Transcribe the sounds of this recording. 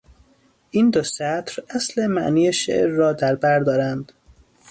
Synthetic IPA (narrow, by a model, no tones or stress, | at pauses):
ʔiːnd̪osæt̪ʰɾæslemæʔniːjeʃḛʔɾːɒːd̪æɾbæɾd̪ɒːɾænd̪̥